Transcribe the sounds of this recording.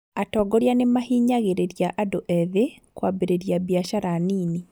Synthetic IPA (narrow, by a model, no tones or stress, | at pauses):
atɔːɡɔɾjanemahiːɲaɣeɾeɾijaʔadoʔɛðekwabeɾeɾjabjaʃaɾaniːni